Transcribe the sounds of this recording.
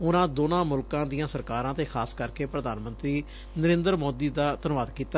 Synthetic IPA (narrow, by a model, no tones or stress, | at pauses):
ʊnãːd̪oːnãːmʊlkãːd̪ijãːsəɾkaːɾãːt̪eːkʰaːskəɾkeːpɾəd̪aːnmənt̪ɾiː | nəɾɪ̃ːnd̪əɾmoːd̪iːd̪aːt̪ənʋaːd̪kiːt̪a